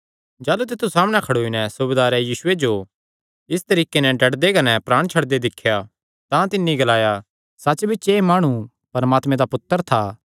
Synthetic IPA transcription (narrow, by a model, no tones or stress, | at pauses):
d͡ʒaːlut̪̬ɪt̪ːusaːmñɛkʰɐɽoːinɛsʊbed̪aːɾɛjiːsʊed͡ʒo | ɪst̪ɐɾiːkenɛɖʱɐʈd̪ekɐnɛpɾaːɽ̃t͡ʃʰɐɽd̪ed̪ɪkʰːja | t̪ãt̪ɪnːiɡɐlaːja | sɐt͡ʃbʱɪt͡ʃemaːɽ̃u | pɐɾmaːt̪mẽd̪apʊt̪ːəɾt̪ʰaː